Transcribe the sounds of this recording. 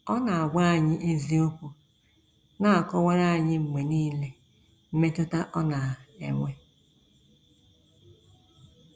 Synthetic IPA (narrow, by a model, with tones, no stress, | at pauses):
ɔ˦na˨a˨ɡʷa˦a˨ɲɪ˦ʔi˦zi˦o˦kʷu˨ | na˦a˨kɔ˦wʷe˦ɾa˦a˨ɲɪ˦m̩˨me˨niː˦le˦ | m̩˦me˦tʊ˦ta˦ʔɔ˦na˨ḛ˨ŋʷe˦